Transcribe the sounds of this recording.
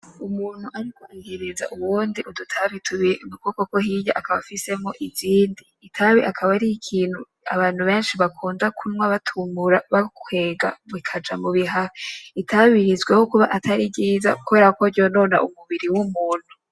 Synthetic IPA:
umuːn̥huʔaɾikaʔiɡiɾiza̰ʔuβuːndiʔudutʰaβitʰuβinukoko̞ko̞ɦija̰ʔakaβafise̞mo̞ʔiziːndiːtʰaβiʔakʰaβaɾiikʰiːn̥hu | a̰βaːn̥huβe̞ːnʃiβakʰuːndakʰunwaβatʰumuɾaβakwe̞ːɡa̰βwikʰad͡ʒamuβiɦaitʰaβiɾizɡwehokuβa̰ʔatʰaɾib̚ɟiːza̰kuβe̞ːɾako̞ɾɟo̞no̞ːna̰ʔumuβiɾiwumuːn̥hu

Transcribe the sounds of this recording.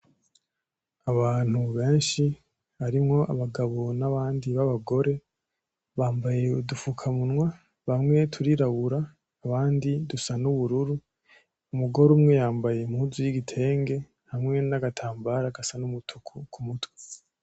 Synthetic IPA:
aβaːn̥huβe̞ːnʃi | βaɾimŋo̞aβaɡaβo̞naβaːndiβaβaɡo̞ɾe̞ | βaːmbaje̞udufukʰamunwa | βamŋe̞tʰuɾiɾaβuɾaː | βaːndidusanuβuɾuɾu | umuɡo̞ɾumŋe̞jaːmbaje̞muuzujiɡitʰe̞ːŋɡe̞ | hamŋe̞naɡatʰaːmbaɾaɡasanumutʰukʰukʰumutwe̥

